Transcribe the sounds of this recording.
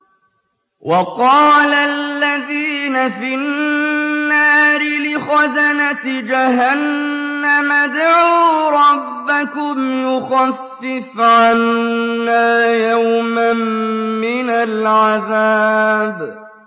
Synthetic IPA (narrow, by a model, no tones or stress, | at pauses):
wʔɑqɑːlalːaðiːnafinːaːɾɪlɪxazanat̪d͡ʒaɦanːamad̪ʕuːɾˤɑbːakʊmjʊxafːɪfʕanːaːjawmamːɪnalʕaðaːb